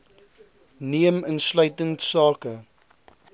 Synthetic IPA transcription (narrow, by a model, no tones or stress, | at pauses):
niəmənslœɥtəntsɑːkə